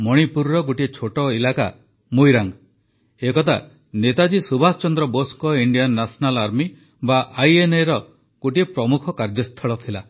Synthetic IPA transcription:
mɔɽ̃ipuɾɾɔɡoʈiet͡ʃʰoʈɔilaka̰ | mujɾaŋ | ekɔt̪ʰa | net̪ad͡ʒisubʱast͡ʃɔnd̪ɾɔboskɔiɳɖijanːasɔnalaɾmi | baʔajeneɾɔ | ɡ̥oʈiepɾɔmukʰɔkaɾd͡ʒɔst̪ʰɔɭɔt̪ʰila

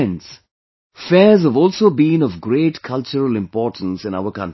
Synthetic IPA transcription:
ns | fɛzhəvɔːlsoːbĩːnɔvɡɾeːʈkʰʌlt͡ʃəɾəlɪ̃mpɔːʈə̃n̩sɪ̃naʊəkʌ̃nʈ

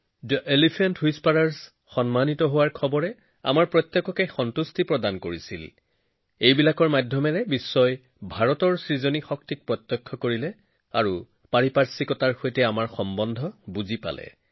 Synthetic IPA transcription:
dʔelipʰantɦujspaɹaɹs | xɔnmanitɔɦowaɹkʰɔbɔɹɛ | a̰maɹpɹɔt̪ːɔkːɔkexɔntustipɹɔdankoɹisḭl | ejbilakɔɹmadʱjɔmɛɹɛbisːɔj | bʱaɹɔtɔɹsɹizonixɔktik̚pɹɔt̪ːɔkʰːɔkoɹilɛ | a̰ɹu | paɹipaɹsikɔtaɹxojtɛamaɹxɔmbɔndʱɔbuzipa̰lɛ̰

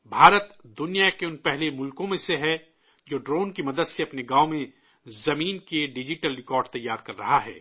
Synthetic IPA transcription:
bʱaːɾət̪d̪ʊnijakeʊnpɛɦlemʊlkõmẽseɦɛ | d͡ʒoːɖɾoːnkimɐd̪əd̪seɐpneɡaːomẽ | zɐmiːnkeɖɪd͡ʒɪʈəlɾɪkɔːɾɖ̚t̪ɐjːaːɾkɐɾːɐɦaɦɛ̰ː

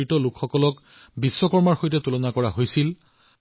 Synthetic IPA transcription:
itɔlukxɔkɔlɔk | bisːɔkɔɹmaɹxojtɛtulɔnakɔɹaɦojsil

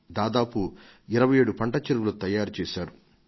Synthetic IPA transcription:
d̪aːd̪aːpu | iɾɐʋɐjeːɽupɐɳʈɐt͡ʃiɾʋulut̪ɐjaːɾut͡ʃɛːsaːɾu

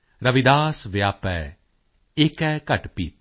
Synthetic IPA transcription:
ɾɐʋid̪aːsʋejaːpɛ | eːkɛːkɐʈpḭːt̪̚

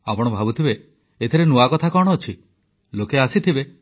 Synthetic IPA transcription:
apɔɽ̃ɔbʱabut̪ʰibe | et̪ʰiɾenuakɔt̪ʰakɔɽ̃ɔːt͡ʃʰi | lokeasit̪ʰibe

